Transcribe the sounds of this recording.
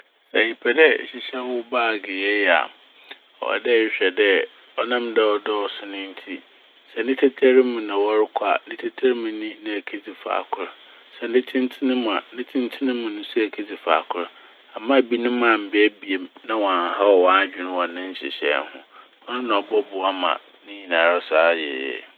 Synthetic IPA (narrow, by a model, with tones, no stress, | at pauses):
æ˨ɲi˨pʰɛ˨dɛ˦˨ɕɪ˨ɕɛ˦n˦ʊ˦baː˦˨ɡe˨ɛ˦jɛ˨a̰˨ | ɔ̰˨a̰˨dɛ˦˨˦ɕᶣɛ˨dɛ˦ | ɔ˦nã˦mdɛ˦ɔ˨dɔ˦sʊ˨nɪ̃˦n̩˦tʰi˦ | sɛ˨nɪ̃˦tʰe˦tʰe˦ɾɪ˦mʊ̃˨nã˨wɔ˦ɾɪ˦kʷʰa̰˨nɪ̃˦tʰe˦tʰa˦ɾmɪ̃˨nĩ˦nã˨æ˨kʰe˦d͡zi˨fa̰ː˨kʰʊ˦ɾ | sɛ˦nɪ̃˦tʰɪ̃˦n˦tʰɪ˦nɪ̃˦m˨ã̰˨˦nɪ̃˦tʰɪ̃˦n˦tʰɪ˦nɪ̃˦mʊ̃˨nʊ̃˦sɛ˦æ˨kʰe˦d͡zi˨fa̰˨kʰʊ˦ɾ | a˨mã˦˨bi˦nʊ̃˦mã˨m̩˨bɪ˦æ˦bi˨e˨nã˦wɔ˨ã˨n˨ha˦ɔ˨wɔ̃˨˦a˦d͡ʑᶣɪ˨nʊ̃˦wɔ̃˨nɪ̃˦n̩˦ɕɪ̰˨ɕɛ̰˨˦n˦hʊ̰̃˦ | mʰã˦nã˨ɔ˨bɔ˦bʊ˨a˦mã̰˨ | nɪ̃˦ɲĩ˨nã˨ɾɔ˦saː˦jɪ̰ː˨jɛ̰˨